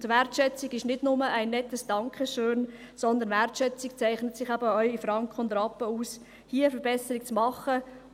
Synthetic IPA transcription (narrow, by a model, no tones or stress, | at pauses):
dʋɛɾtʃɛt͡sɪɡɪʃnɪdnʊməʔæɪnːɛtːəsd̥ɑŋkʰχəʃøːn | sɔnd̪ənvɛɾtʃɛt͡sikt͡sæɪχnətsɪχæbəœʏifɾɑŋkχəʊndɾɑpːəuːs | hiːəəfəɾbɛsəɾik̚t͡smɑχə